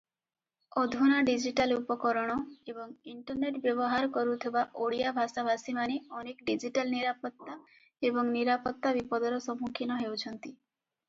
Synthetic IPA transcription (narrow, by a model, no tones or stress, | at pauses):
ɔd̪ʱunaɖid͡ʒiʈalupɔkɔɾɔɽ̃ɔebɔŋiɳʈɔɾneʈbjɔbɔɦaɾkɔɾut̪ʰebaʔoɽijabʱasabasimaneɔnekɔɖid͡ʒiʈalniɾapɔt̪ːa | ebɔŋniɾapɔt̪ːabipɔd̪ɔɾɔsɔmukʰinɔɦewt͡ʃʰɔnt̪i